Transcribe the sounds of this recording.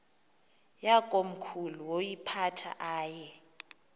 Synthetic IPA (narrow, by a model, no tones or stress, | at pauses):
jakʼom̩kʰuluwojipʰatʰa̰ʔaːjɛ